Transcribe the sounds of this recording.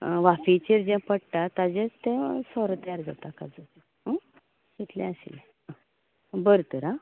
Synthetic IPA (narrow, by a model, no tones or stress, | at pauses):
ʋafit͡ɕeɾd͡ʑɛ̃pəɽʈ̪at̪ad͡ʑẽt͡st̪ẽsɔɾət̪əjaɾd͡zat̪akad͡zəe | ɦə̃ | it̪lɛ̃aɕḭle | a | bəɾt̪əɾa